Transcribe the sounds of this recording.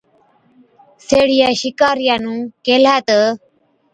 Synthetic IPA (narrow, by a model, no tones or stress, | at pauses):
seːɽɪjaːʃɪkaːɾɪjaːnũːkeːlaːt̪ə